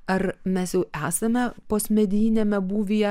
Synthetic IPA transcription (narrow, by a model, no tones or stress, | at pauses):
ɐrmʲɛsjɛʊæːsɐmʲɛpoːsʲmʲɛd̪ʲiːnʲemʲɛbuːʋʲijɛ